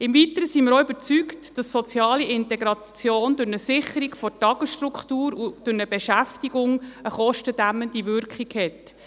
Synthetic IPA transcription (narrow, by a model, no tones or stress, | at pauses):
ɪmvitəɾəsiːmɪɾoʏbəɾt͡syktd̥ɑsːɔt͡sjɑːliɪntɛɡɾɑ | t͡sjoːndʊɾnəsɪχəɾikfɔtɑɡ̥əsʃtrukχtuːɾud̥ʊɾnəbɛʃæftiɡʊŋəχɔʃtəd̥æmːəndivʏrkχikhɛt